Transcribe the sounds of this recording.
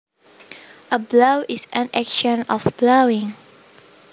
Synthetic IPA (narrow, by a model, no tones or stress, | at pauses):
ʔəblowisʔãnɛkʃə̃nɔfb̥lowĩŋ